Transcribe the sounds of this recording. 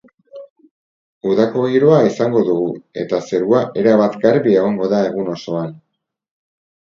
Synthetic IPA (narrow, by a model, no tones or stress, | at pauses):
uðako̞ɣiɾoaisaŋɡo̞ðuɣ̞ue̞̰t̪ase̞ɾuaʔe̞ɾaβat̪ɡaɾβie̞ɣ̞o̞ŋɡo̞ðae̞ɣuno̞so̞an